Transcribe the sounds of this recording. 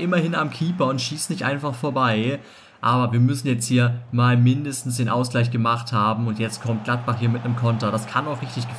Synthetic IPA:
ʔɪmɐhɪnamkʰiːpɐʊntʃiːsnɪçtʔa̰ɪnfaχfoːɐbaɪ | ʔaːbɐviːɐmʏsn̩jɛt͡sthiːɐmaːlmɪndəstn̩sd̥eːnʔaʊsɡ̥laɪçɡ̥əmaχthaːbm̩ʊntjɛt͡stkʰɔmt̚ɡ̥lat̚b̥aχhiːɐmɪtnəmkʰɔntɐd̥askʰanaʊχʁɪçtɪçɡ̥ə

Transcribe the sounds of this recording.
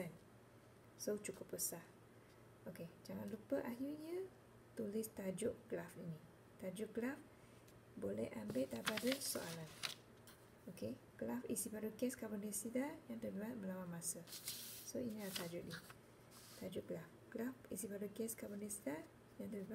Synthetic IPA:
an | sot͡ʃukʊpːəsah | oked͡ʒaŋanlupəʔaɦiɲã | t̪ulɪst̪ad͡ʒʊʔɡ̥lafinĩ | t̪ad͡ʒʊʔɡlaf | bolɛ̰hʔambɪt̪̚abadəso̰a̰lan | okeɡ̥lafḭsibaɾuɡɛskabəndisidajaŋd̪əduat̪̚bəlawãmãsəsoinilat̪ad͡ʒʊʔni | t̪ad͡ʒʊʔɡlafɡ̥lafisibaɾukɛskabəndisida | jaŋt̪əa

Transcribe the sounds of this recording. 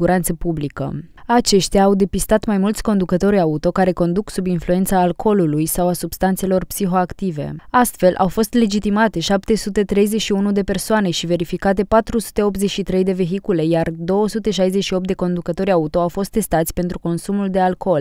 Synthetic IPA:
uɾant̪səpublikə̰at͡ʃe̞ʃt̪jaːwd̪e̞pist̪at̪majmult̪sʲko̞nd̪ukət̪o̞ɾʲaut̪o̞kaɾe̞ko̞nd̪uksubinflue̞nt̪saːlkʰo̞lulujsawasubst̪ant̪se̞lo̞rpsiɦo̞akt̪ive̞̰ast̪fe̞lʔa̰wfo̞st̪le̞d͡ʒit̪imat̪e̞ʃap̚t̪e̞sut̪e̞t̪ɾe̞jzet͡ʃʃiunud̪e̞pe̞rsoane̞ʃive̞ɾifikat̪e̞pat̪ɾusu̥t̪e̞o̞p̪zet͡ʃʃit̪ɾe̞jd̪e̞ve̞ɦikule̞jard̪o̞wəsut̪e̞ʃajzet͡ʃʃio̞p̚t̪d̪e̞ko̞nd̪ukət̪o̞ɾʲaut̪o̞awfo̞st̪ːe̞st̪at̪sʲpe̞nt̪ɾuko̞nsumuld̪e̞alko̞l

